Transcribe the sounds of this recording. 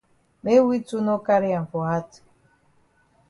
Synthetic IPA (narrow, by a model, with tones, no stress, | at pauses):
me˦wi˦tu˦no˦ka˦ɾɪ˦a˨m̩˨fɔ˨ɦa˦tu̥˨